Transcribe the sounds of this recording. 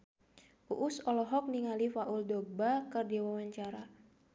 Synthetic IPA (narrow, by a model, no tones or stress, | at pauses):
ṵʔusɔlɔɦɔk̚niŋalifaʔuldɔbakɨrdiwawaɲt͡ʃaɾa